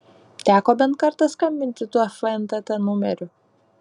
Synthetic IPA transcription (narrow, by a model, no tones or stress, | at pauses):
t̪ʲæːkoːbʲɛnt̪̚kɐɾt̪ɐskɐmʲbʲɪnʲt̪ʲɪt̪uɔfʲlɛnt̪ɐt̪ɐmʊmʲɛɾʲʊ